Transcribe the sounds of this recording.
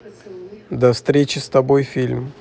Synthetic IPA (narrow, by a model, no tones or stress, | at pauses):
d̪ɐfst̪ɾʲet͡ɕɪst̪ɐbojfʲilʲm